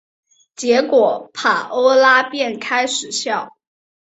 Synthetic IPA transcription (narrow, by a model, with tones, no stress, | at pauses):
t͡ɕjɛ˧˥kwɔ˨˩pʰa˨˩ʔo˥ʊla˥pjɛ˥˩nkʰa˥ɪʂɻ̩˨˩˦ɕjɑ˥˩ʊ